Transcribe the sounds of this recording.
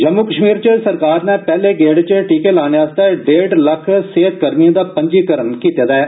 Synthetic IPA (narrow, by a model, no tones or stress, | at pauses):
d͡ʒəmːuːkəʃmiːɾt͡ʃəsəɾkaːɾnɛ̃ːpɛːleːɡeːɽt͡ʃəʈiːkeːlaːneaːst̪ɛːɖeːɖləkʰseːt̪̚ɡəɾmijãːd̪aːpəɲd͡ʒiːkəɾənkiːt̪jaːd̪aː